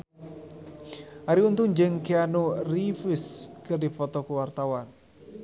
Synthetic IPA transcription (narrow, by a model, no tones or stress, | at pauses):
ʔaɾiunt̪ʊŋd͡ʒɨŋkianorifiskɨrdifɔt̪ɔkəwart̪awan